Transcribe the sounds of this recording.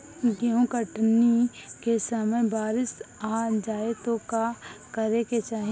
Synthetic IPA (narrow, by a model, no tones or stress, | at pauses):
ɡiõkəʈnikesəməbaːɾɪsaːd͡ʒaːet̪õkakəɾeket͡ʃaːɦ